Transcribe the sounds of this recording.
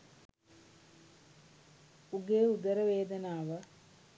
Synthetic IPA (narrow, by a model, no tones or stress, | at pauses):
uɡeːud̪əɾəʋeːd̪ɐnaːʋə